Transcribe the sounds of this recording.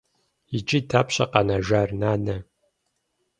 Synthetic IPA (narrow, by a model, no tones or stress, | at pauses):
it͡ʃʼitʰaːpʰɕɐqɐnaʒaːrnaːnɐ